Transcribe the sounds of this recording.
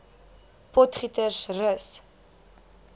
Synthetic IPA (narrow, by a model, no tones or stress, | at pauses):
pɔtχitərsrəs